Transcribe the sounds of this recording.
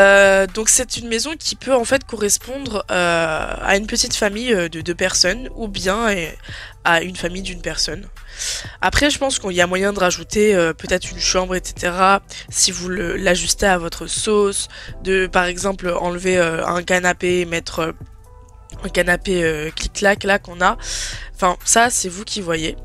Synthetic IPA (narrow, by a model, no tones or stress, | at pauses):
ød̪ɔ̃ksɛt̪ynmezɔ̃kʲʰipʰøɑ̃fɛt̪kɔʁɛspɔ̃d̪ʁøa̰ynpət̪it̪famijød̪əd̪øpɛʁsɔnubjɛ̃ | aynfamijd̪ynpɛʁsɔn | apχɛʒəpɑ̃skɔ̃iliamwajɛ̃d̪əʁaʒut̪eøpøt̪ɛt̪χynʃɑ̃bʁet̪se̥t̪ʰeʁasivuləlaʒyst̪eavɔt̪χəsosd̪əpaʁɛɡzɑ̃pløʔɑ̃lveøɛ̰̃kanapemɛt̪χø | ɛ̃kanapeøkliklaklakɔ̃naɑ̃fɛ̃sasɛvukʲivwaje